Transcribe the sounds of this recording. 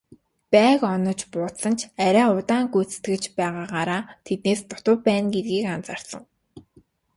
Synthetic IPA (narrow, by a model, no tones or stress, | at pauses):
pæːkɔnɞ̆t͡ɕpʊːt̪sə̆nt͡ɕʰæɾʲæːʊt̪aːŋɡujt͡sɘ̥̆t̪ɡɘ̆t͡ɕpæːʁaːʁaːɾaːt̪ʰet̪̚neːst̪ʊt̪ʊ̆pæːnɡet̪̚ɡiːkant͡sar̥sə̆ŋ